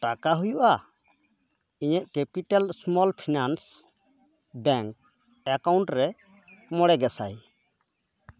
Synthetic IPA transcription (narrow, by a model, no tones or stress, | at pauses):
ʈakaɦujuʔa | iɲɛʔ̚ˀkɛpiʈalsmɔlpʰinans | bɛŋk̚ | ɛkawɳʈɾɛ | mɔɽɛɡɛsa̰j